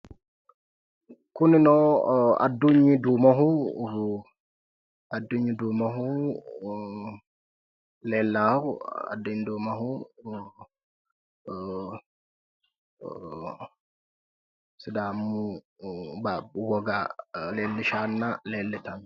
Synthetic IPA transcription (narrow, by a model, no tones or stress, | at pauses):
kuninɔa̰dːuɲːidumaɦu | adːuɲidumaɦu | lɛlːaa̰dːuɲidumaɦu | sidamːu | bawɔɡalɛlːɛʃanːalɛlːɛtan